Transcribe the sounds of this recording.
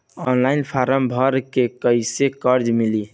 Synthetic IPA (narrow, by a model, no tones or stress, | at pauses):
ɔnlainpʰaɾəmbʱəɾkekəɪsekəɾd͡ʒmili